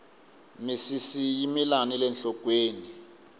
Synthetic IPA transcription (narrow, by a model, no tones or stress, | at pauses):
misisijimilanilɛnɬɔkʼweːni